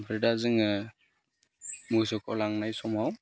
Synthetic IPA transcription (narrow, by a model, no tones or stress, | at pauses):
pʰɾidazɯŋɯ | musɔkʰɔ̰laŋnajsɔmhaw